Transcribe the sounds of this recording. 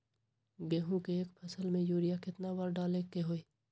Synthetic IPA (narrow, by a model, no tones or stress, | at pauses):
ɡeːɦũkeeːkpʰɐsəlmẽjuːɾɪjakɪt̪nawaɾɖaːlekeɦoːeː